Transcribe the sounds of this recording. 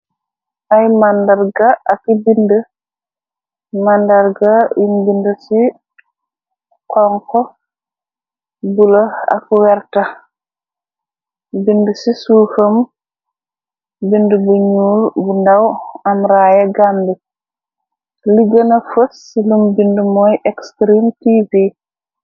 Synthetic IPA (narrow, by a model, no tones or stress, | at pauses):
ʔajmandaɾɡaːkibində | mandaɾɡajumbindəsi | kɔŋkɔ | buloa̰kwɛɾta | bindəsisuːhəm | bindəbuɲuːɾbundɐwɐmɾaːjɐɡambi | liɡənɐfəs | ilumbindəmɔjʔɛkstɾimtivi